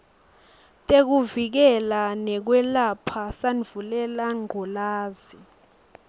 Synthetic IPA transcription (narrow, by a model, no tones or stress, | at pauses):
tʼek̬uvik̬ɛlanɛk̬wɛlapʰasanvulɛlaŋ͡ǃʱɔlaːzi